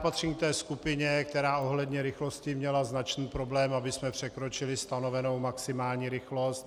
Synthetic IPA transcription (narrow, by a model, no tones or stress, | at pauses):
pat̪riɲk̚t̪ɛːskupɪɲɛk̚t̪ɛɾaːo̞ɦlɛd̪ɲɛɾɪxlo̞scɪmɲɛlaznat͡ʃniːpɾo̞blɛːmabɪsmɛpr̝̥ɛkɾo̞t͡ʃɪlɪst̪ano̞vɛno̞wmaksɪmaːlɲiːɾɪxlo̞st̪